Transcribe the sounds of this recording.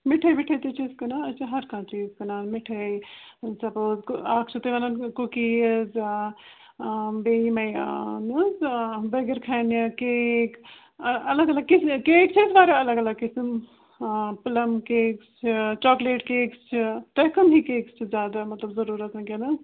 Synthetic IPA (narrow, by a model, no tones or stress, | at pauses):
miʈʰɐbiʈʰɐt̪it͡ʃʰizkɐnanɐt͡ʃʰaɦɐɾkʰãːt͡ʃiːzkɐnaːnmiʈʰɐj | sɐpoːzkaːkʰt͡ʃʰit̪ɐʋɐnankukiz | bemɐjnuzbɐɡɐɾkʰɐnikek | ɐlɐɡɐlɐɡ̚kiskeːkt͡ʃʰisbaːɾiɐlɐɡɐlɐɡ̚kism | pɐlɐmkeːkst͡ʃʰit͡ʃɔːkleʈkeːkst͡ʃʰit̪ɐjkɐmɦikeːkst͡ʃʰizʲjaːd̪amɐt̪lɐbzɐɾuːɾɐt̪nɐkenɐ